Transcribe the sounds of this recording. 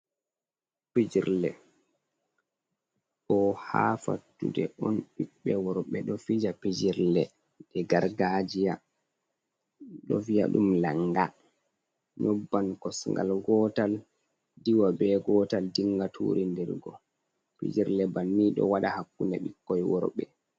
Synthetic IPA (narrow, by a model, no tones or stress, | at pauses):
pid͡ʒiɾlɛ | ɗɔha̰fa̰tːṵdɛɔnɓikɓɛwɔɾɔɓɛɗɔfid͡ʒapid͡ʒiɾlɛ | dɛɡaɾɡad͡ʒija | ɗɔ̰vija̰ɗṵmlaŋːɡa | ɲɔbːankɔsŋɡa̰lɡɔtal | diwabɛɡɔːtaldiŋɡatʰṵːɾindɛɾɡɔ | pḭd͡ʒiɾlɛbanːiɗɔ̰waɗahakːunɛ̰ɓikːɔjwɔɾɓɛ